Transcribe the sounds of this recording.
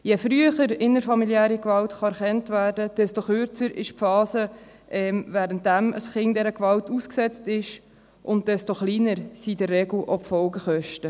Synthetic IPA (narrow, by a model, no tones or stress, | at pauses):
jefɾyəχəɾɪnəɾfɑmiljæːɾikvɑltχɑæɾχɛntvæːɾdəd̥ɛstoχʏɾt͡səɾɪʃpfɑːsə | ʔɛmvæːɾənt̚dæmə̰sχɪŋdɛɾəkvɑltusksɛt͡stɪʃ | ʔʊnt̚d̥ɛstoχliːnəɾsidərːɛɡl̩ʔopfɔlɡəχœʃtə